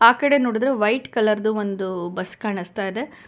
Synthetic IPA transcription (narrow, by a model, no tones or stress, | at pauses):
aːkɐɽe̞noːɽid̪ɾeʋɐjʈkɐlɐɾd̪uʋond̪ubɐskaːɳist̪aːjid̪e̞